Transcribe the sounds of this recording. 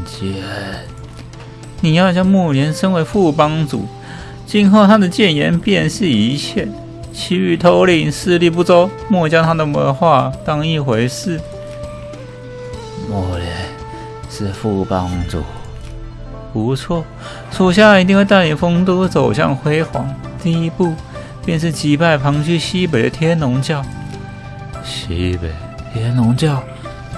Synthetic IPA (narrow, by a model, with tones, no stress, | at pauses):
t͡ɕi˥˨˩ | ni˨˩jɑ˥˧ʊt͡ɕjɑ˥˧mɔ˥˩njɛ˧˥nʂə˥nwe˧˥ɪfu˥˩pɑ˥ŋt͡sṵ˨˩˦ | t͡ɕi˥nxo˥˩ʊt̪ʰa˥d̪ə˨t͡ɕjɛ˥˩njɛ˧˥npjɛ˥˧nʂɻ̩˥˩i˧˥t͡ɕʰjɛ˥˩ | t͡ɕʰi˧˥y˧˩t̪ʰo˧˥ʊli˥˧˩ŋʂɹ̩˥˧li˥˧p̬u˥˩t͡so˥ʊ | mwɔ˥˩t͡ɕjɑ˥ŋt̪ʰa˥d̪ə˨mə˧˥nxwa˥˧t̪ɑ˥ŋi˥˩xwe˧˥ɪʂɻ̩˥˩ | mɔ˥˩ljɛ˧˥˦n | ʂɻ̩˥˧fu˥˩pɑ˥ŋt͡sṵ˨˩ | pu˧˦˥t͡sʰwɔ˥˩ | ʂo˨˩ʊɕ̬ja˥˩i˧t̪̬i˥˧ŋxwe˥˧ɪt̪a˥˩li˨˩ŋfɤ˥ŋt̪u˥˧˩t͡so˨˩ʊɕjɑ̰˥˧ŋxwe˥ɪxwɑ̰˧˥ŋ | t̪i˥˧i˦˥pu˥˧ | pjɛ˥˧nʂɻ̩˥˩t͡ɕi˧˥pa˥˩ɪpʰɑ˧˥ŋt͡ɕʰy˥˧ɕi˥p̬e˨˩ɪd̪ə̰˦t̪ʰjɛ˥nnʊ˧˥ŋt͡ɕjɑ˥˩ʊ | ɕḭ˥˦˥pe˨˩ɪt̪ʰjɛ˥nʊ˧˥ŋt͡ɕjɑ˥˩ʊ